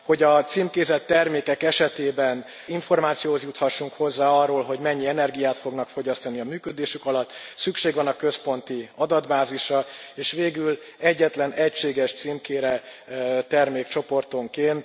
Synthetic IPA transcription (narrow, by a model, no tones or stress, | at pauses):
ho̞ɟɒt̪siːmkeːzɛt̪ːɛrmeːkɛkɛʃɛt̪eːbɛn | iɱfo̞rmaːt̪sijoːhozjut̪hɒʃːuŋkho̞zːaːɒrːoːlɦo̞ɟmɛɲːiɛnɛrɡijaːt̪fo̞ɡnɒkfo̞ɟɒst̪ɒniɒmyːkød̪eːʃykɒlɒt̪ːsykʃeːɡʋɒnɒkø̞spo̞nt̪iɒd̪ɒd̪baːziʃrɒeːʃʋeːɡyl | ɛɟːɛt̪lɛnɛcʃeːɡɛʃt̪siːmkeːɾɛ | t̪ɛrmeːkt͡ʃo̞po̞rt̪o̞ŋkeːnt̪